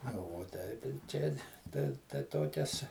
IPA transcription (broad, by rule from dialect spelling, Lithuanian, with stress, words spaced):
ˈnɐ ʋuɔ ˈtʲɛɪp ɪr ˈt͡ʃʲɛ tɐɪ tɐɪ ˈtoːkʲɛs